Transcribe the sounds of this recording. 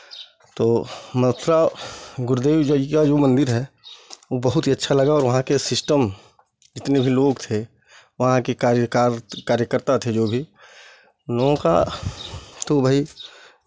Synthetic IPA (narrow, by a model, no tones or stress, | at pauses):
t̪oːmət̪ʰɾaɡʊɾd̪eːʋd͡ʒoikad͡ʒoːmə̃nd̪ɪɾɦɛ | obɐɦʊt̪ɦiɐtːʃʰalɐɡaɔːɾʋɐɦãkesɪsʈəm | d͡ʒɪt̪nebʱiloːɡt̪ʰe | ʋɐɦãkekaɾkaɾkaːɾjəkəɾt̪at̪ʰed͡ʒoːbʱi | loɡõka̰ | t̪obʱai